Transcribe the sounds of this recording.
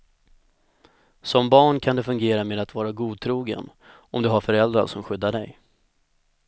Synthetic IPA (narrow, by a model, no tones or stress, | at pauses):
sɔmbɑːɳkʰand̪ɛfɵŋɡeːɾameːd̪at̪vɑːɾaɡuːd̪̚t̪ʰɾuːɡə̰n | ɔmd̪ɵɦaɾfœɾɛld̪ɾa̰sɔmɧʏd̪ːaɖɛ̰j